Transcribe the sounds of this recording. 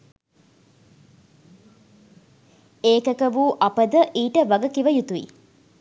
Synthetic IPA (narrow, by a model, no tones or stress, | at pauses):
eːkəkɐʋuːʔɐpəd̪əʔiːʈəʋɐɡɐkiʋəjut̪uḭ